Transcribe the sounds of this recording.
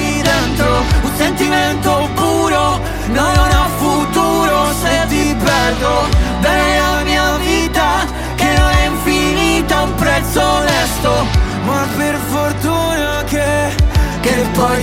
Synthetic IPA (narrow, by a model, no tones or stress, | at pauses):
ɛnt̪ounsent̪iment̪okuːɾo | nonnafut̪uːɾoset̪ipɛrd̪od̪allamiːaviːt̪a | kenonɛiɱfiniːt̪aumpɾɛt̪sːolɛst̪o | maperfort̪uːnake | kepːɔj